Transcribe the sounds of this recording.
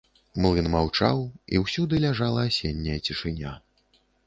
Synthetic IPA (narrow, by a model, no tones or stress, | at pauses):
mlˠɨnmawt͡ʂa̰wḭwsʲud̪ɨlʲaʐalˠɐːsʲenʲːɐjɐt͡sʲiʂɨnʲa